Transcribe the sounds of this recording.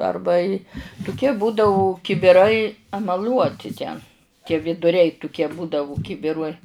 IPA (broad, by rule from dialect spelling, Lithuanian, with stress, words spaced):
ˈɐrbɐ ɪ tʊˈkʲiɛ ˈbuːdɐʊ kʲɪbʲɪˈrɐɪ ɛmɐˈlʲuɔtʲɪ tʲɛn tʲiɛ ʋʲɪdʊˈrʲɛɪ tʊˈkʲiɛ ˈbuːdɐʋʊ ˈkʲɪbʲɪruɔj